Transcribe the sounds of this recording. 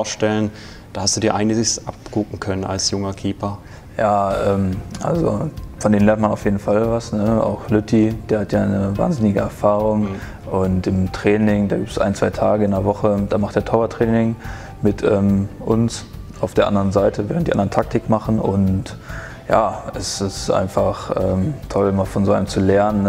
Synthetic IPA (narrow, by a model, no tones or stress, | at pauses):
ʃtɛlən | d̥aːhastd̥uːdiːɐʔaɪɡn̩ɪçsʔapɡ̥ʊkŋ̩kʰœnəna̰lsjʊŋɐkʰiːpɐ | jaːʔɛːmʔa̰lzo̰fɔndeːnlɛɐntmanaʊfjeːdn̩falvasnəa̰ʊxlʏtʰid̥eːhatʰjaːaɪnəva̰ːnzɪnɪɡəɛɐfaːʁ̞ʊŋ | ʔʊntɪmtʁ̥ɛːnɪŋdaːɡiːp̚tə̥sʔa̰ɪnt͡sv̥aɪtʰaːɡəɪndɐvɔχəd̥aːmaχtd̥eːɐtʰɔɐvɐtʁ̥ɛːnɪŋ | mɪtʰʔɛːmʔʊnsʔaʊfd̥eːɐʔa̰ndəʁənzaɪtʰəvɛːʁəntd̥iːandɐəntʰak̚tʰɪkmaχn̩ʊ̰nt | ja̰ːɛsɪstʔa̰ɪnfaχʔɛːmtʰɔlmaːfɔnzoːa̰ɪnəmt͡sulɛɐnən